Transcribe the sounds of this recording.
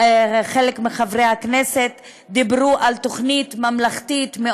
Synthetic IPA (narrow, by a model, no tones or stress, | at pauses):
χelekmiχavʁejhakneset̪ | d̪ibʁuʔalt̪o̞χnit̪mamlaχt̪it̪me